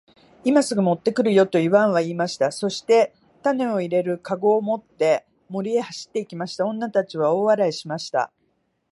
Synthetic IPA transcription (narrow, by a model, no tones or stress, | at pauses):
imasɨɡɯ̟mo̞t̪ːe̞kɯ̟ɾɯ̟jo̞t̪o̞iβãɰ̃β̞aiːmaɕi̥t̪aso̞ɕi̥t̪e̞ | t̪ane̞o̞iɾe̞ɾɯ̟kaɡo̞ːmo̞t̪ːe̞ | mo̞ɾʲie̞haɕi̥t̪ːe̞ikʲimaɕi̥t̪aõ̞nːat̪at͡ɕiβao̞ːβaɾaiɕimaɕi̥t̪a̰